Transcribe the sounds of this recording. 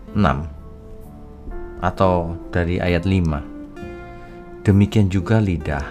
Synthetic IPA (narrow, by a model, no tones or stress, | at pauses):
əna̰m | ʔat̪awd̥aɾiʔa̰jat̪̚lima̰ | d̥əmikiand͡ʒuɡalidah